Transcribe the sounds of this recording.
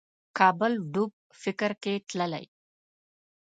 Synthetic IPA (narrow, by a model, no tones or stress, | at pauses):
kaːbəlɖub̚ | fɪkɐɾkeʈlɐlɐ̰j